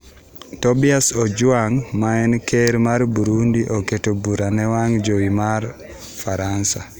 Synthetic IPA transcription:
tɔbiasod͡ʒwaŋmaɛnkeɾmaɾbuɾundiʔoketobuɾanɛwaŋd͡ʒowimar | faɾansa̰

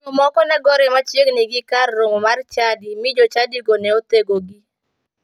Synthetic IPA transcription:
ɔmɔkɔnɛɡɔɾɛmat͡ʃjeɡniɡɪkarːoŋomart͡ʃadimɪd͡ʒot͡ʃadiɡonɛot̪eɡoɡi

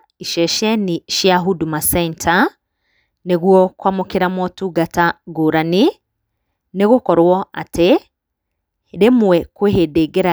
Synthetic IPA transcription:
iʃɛʃɛniʃjaɦudumasɛnta | neɣwɔkwamokeɾamɔtuɡataɡoːɾani | neɣokɔɾwɔa̰te | ɾemwɛkweɦedeɡeɾa

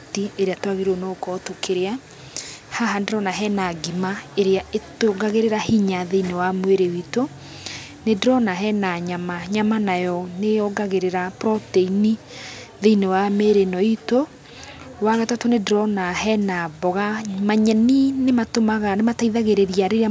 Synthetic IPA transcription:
tieɾeatwaɣeɾonokɔtokʰeɾea | haɦandeɾɔnaɦɛnaɡimaeɾeaetoɡaɣeɾeɾahiɲaðeinewamweɾewito | nedɾɔnaɦɛnaɲamaɲamanajɔneɔɡaɣeɾeɾapɾɔteini | ðeinewameːɾenɔito | waɣatatonedɾɔnaɦɛnaβɔɣamaɲɛninematomaɣanemataiðaɣeɾeɾiaɾeɾe

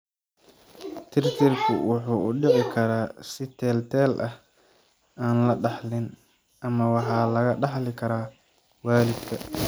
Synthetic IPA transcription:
t̪ʰɪɾt̪ʰɪrkʰʊ̰wʊħuːʔʊɖɪʕɪkʰɐɾaːsɪt̪ʰɛːlt̪ʰɛːlʔɐh | aːnlɐɖɑħlɪn | ʔɐmɐwɑħɑːlɐɣɐɖɑħlɪkʰɐɾaː | waːlɪd̪kʰɐ

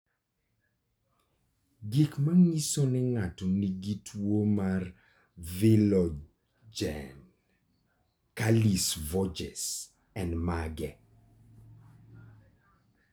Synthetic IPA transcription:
ɡikmaŋisonɛŋatɔniɡitʰwomar | vilɔ | d͡ʒɛ̰n | kalisvɔd͡ʒɛ̰s | ɛndmaɡɛ

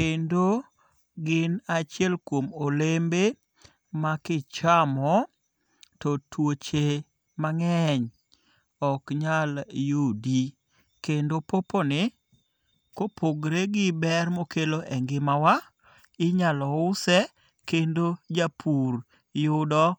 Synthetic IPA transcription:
kendo | ɡɪnat͡ʃɪɛlkwomolembe | makɪt͡ʃamɔ | tɔtwot͡ʃe | maŋɛɲ | ɔkɲaljudi | kendopoponɪ | kopʰoɡɾeɡɪbɛrmokeloʔɛŋɡɪmawa | ɪɲalɔʊsɛ | kendod͡ʒapʰuɾ | jʊdɔ

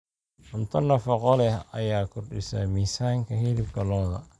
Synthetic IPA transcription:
ʊnt̪ʰɐnːɐfɐqɔlɛhɐjaːkʰʊrɖɪsɐ̰miːsaːŋkʰɐɦilɪbkʰɐlɔːðɐ̰

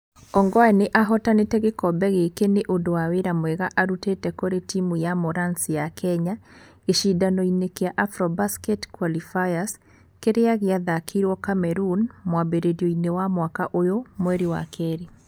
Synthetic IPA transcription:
ɔŋɡɔaneʔaɦɔtanetɛɣekɔbɛɣekeneʔondowaweɾamwɛɣaʔaɾutetɛkoɾetimujamoɾansijakʰɛɲa | eʃidanɔinekeaʔafɾɔbaskɛtkwalifaas | keɾeaɣeaðakʰiɾwɔkamɛɾunmwabeɾeɾioinewamwakaʔojomwɛɾiwa̰kʰɛːɾi

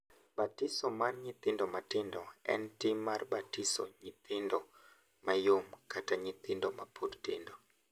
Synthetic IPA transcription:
batisɔmarɲɪt̪ɪndɔmatɪndɔɛ̰ntɪmarbatɪsɔ̰ɲɪt̪ɪndɔ | majomkataɲɪt̪ɪndɔmapʰurtɪndɔ

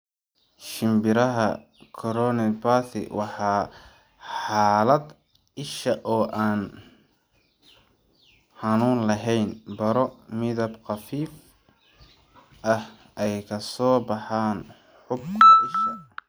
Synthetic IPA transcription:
ʃɪmbɪɾɐɦɐ | kʰɔɾɔnɐpaːθɪ̰wɑħɑː | ħɑːlɐd̪ | ɪʃɐʔɔːʔaːn | ħɑnuːnlɐɦɛjnbɐɾɔmɪðɐbqɑfiːf | ʔɐh | ʔɛjkʰɐsɔːbɑħaːn | ħʊb̚kʰɐʔɪʃɐ

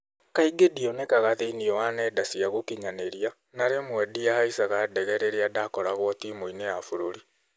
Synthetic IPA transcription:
kaiɡediɔnekaɣaðeiniɔwanɛdasiaɣokiɲaneɾia | naɾemwɛdiahaisaɣadɛɣɛɾeɾiadakɔɾaɣwɔtimoinejafoɾoɾi

